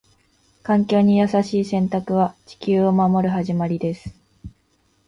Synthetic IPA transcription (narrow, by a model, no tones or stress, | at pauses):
kãŋkʲo̞ːɲ̟ijasaɕiːsẽ̞nt̪akɯ̟βat͡ɕi̥kʲɨːo̞mamo̞ɾɯ̟ɦaʑimaɾʲid̪e̞sɨ̥